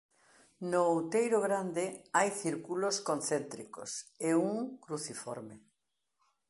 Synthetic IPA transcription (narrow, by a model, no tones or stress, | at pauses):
nowt̪ejɾʊɣɾand̪ɪajθiɾkuloskon̟θent̪ɾiko̰seuŋkɾuθifɔ̰ɾme